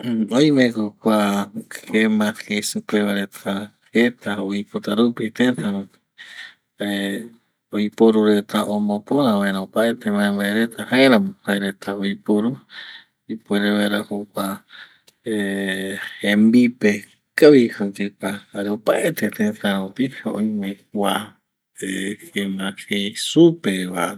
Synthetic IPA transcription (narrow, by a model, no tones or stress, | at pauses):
oj̃mẽkokʷahemãheisupeβaɾet̪ʰahet̪ʰaojpot̪aɾupit̪et̪ãɾũpi̥ | ae | oipoɾuɾet̪ʰaʔomõpõɾãβaeɾãopaet̪ʰemãẽmbaeɾet̪ʰahaeɾãmõhaeɾet̪ʰaojpoɾu | ipueɾeβaɾahokʷa | e | hẽmbipe | kaβihad͡ʒekahaɾeopaʔet̪et̪ẽt̪ãɾ̃õt̪ihoʔõĩmẽkʷa | ehemãhesupeβa